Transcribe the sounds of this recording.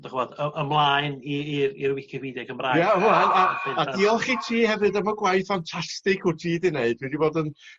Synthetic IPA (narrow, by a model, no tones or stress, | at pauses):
dɔχvɔːdəʔəmlˠaːjniiɾiɾwɪkʰɪwiːdɛkʰəmrajaanaɪadiɔlˠχitʰiːhɛvɨdamaɡwajθantʰastɪkʰʊtʰiːdɪneɨd̥wɛdiboːdən